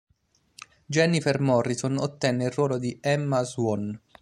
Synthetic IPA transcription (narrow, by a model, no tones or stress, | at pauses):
d͡ʒɛnifermɔrːisono̰t̪ːɛnːeilrːwɔːlod̪iɛmːazwɔn